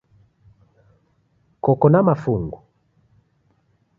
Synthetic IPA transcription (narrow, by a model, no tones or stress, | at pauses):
kɔkɔnamafuŋɡu